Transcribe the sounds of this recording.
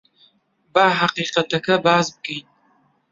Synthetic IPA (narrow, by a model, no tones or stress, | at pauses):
baːɦaqiːqat̪ɐkʰɐbaːzb̚kʰijt̪